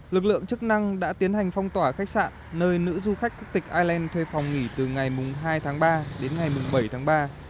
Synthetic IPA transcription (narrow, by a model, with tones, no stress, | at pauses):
lɨ˨˩k̚lɨ̰˧˨əŋt͡ɕɨ˦˥k̚na˧ŋɗa̰ː˧˥t̪i˨˦ənha˨˩jŋ̟fa˧wŋ͡mt̪waː˧˩xa˦˥k̚sa̰ː˧˨nːəː˧jnɨ̰˧˥zu˧xa˦˥k̟̚kʊ˦˥k̚t̪ï˨˩k̟̚ʔaː˧jlɛ˧nt̪ʰwe˧fa˨˩wŋ͡mŋi˧˩t̪ɨ˨˩ŋa˨˩jmʊ˨˩ŋ͡mɦaː˧jt̪ʰaː˨˦ŋɓaː˧ɗe˨˦nŋa˨˩jmʊ˨˩ŋ͡mɓə˧˩jt̪ʰaː˨˦ŋɓaː˧